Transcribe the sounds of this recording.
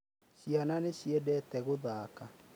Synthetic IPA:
ɕiananeɕjɛdɛːtɛɣoðaːka

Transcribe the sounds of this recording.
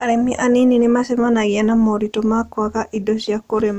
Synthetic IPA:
aɾɛmɪiʔanininɪmasɛmanaɡɪanamoɾitomakwakaʔidoʃjakoɾem

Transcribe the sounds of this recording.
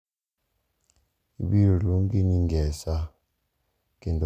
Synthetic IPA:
iɓiɾɔluŋɡiniŋɡɛsa | kind

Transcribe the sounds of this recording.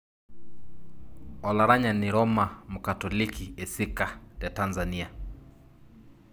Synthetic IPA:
ɔlaɾaɲaniɾɔmamukatɔlikiesikatatanzania

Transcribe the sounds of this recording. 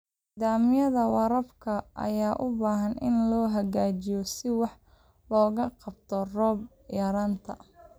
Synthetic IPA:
nid̪aːmɪjɐðɐwɑɾɐbkʰɐʔɐ̰jaːʔʊbaːɦɐnɪ̰nlɔːɦɐɣaːt͡ʃɪjɔsɪwɑħ | lɔːɣɐqɑbt̪ʰɔrɔːb | jɐɾaːnt̪ʰɐ̰

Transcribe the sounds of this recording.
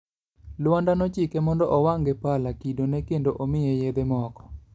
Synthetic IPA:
lwandanɔt͡ʃikemɔndɔʔɔwaŋɡepalakidonɛkendoʔomɪjejed̪emɔkɔ̥

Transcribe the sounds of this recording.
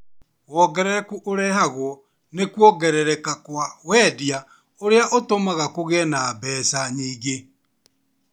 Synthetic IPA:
ɣwɔɡɛɾɛɾɛkuʔoɾɛhaɣwɔ | nekwɔɡɛɾɛɾɛkakwawɛːdia | oɾeaʔotomaɣakoɣɛnabɛːsaɲiːɣe

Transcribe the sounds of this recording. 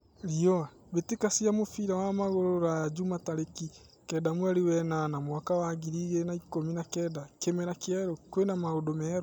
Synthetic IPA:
ɾiɔa | βetekasiamofiɾawamaɣoɾoɾad͡ʒumataɾeki | kɛdamwɛɾewɛnanamwakawaɣiɾiɣenaikominakɛdakemɛɾakeɛɾokwenamaodomɛːɾɔ

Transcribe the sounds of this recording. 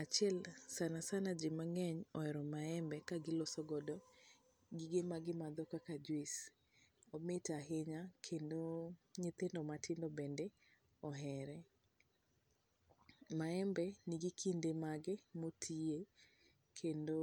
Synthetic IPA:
at͡ʃɪɛlsanasanad͡ʒɪmaŋɛɲɔɛɾɔmaɛmbɛkaɡɪlosɔɡɔdɔ | ɡiɡemaɡɪmad̪ɔkakad͡ʒwis | ɔmɪtaɦɪɲakʰendoɲɪt̪endɔmatʰɪndɔbende | ɔɦɛɾɛ | maɛmbɛnɪɡikʰindemaɡɪmotʰie | kʰendo

